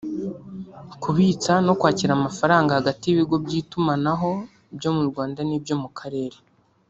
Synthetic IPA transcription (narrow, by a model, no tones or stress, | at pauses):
kuβiːt͡sano̞kwaːciɾamafaɾaːŋɡahaɡatiiβiɡo̞bɟiːtumanaɦo̞ | ibjo̞muɾɡwaːndanibjo̞mukʰaɾe̞ːɾe